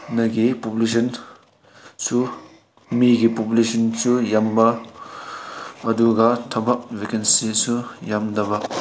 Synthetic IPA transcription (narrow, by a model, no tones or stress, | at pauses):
nɐɡipopulesɐn | su | miɡipopulesɐnsujambɐ | ɐduɡatʰɐbɐk̚wekensisujamdɐba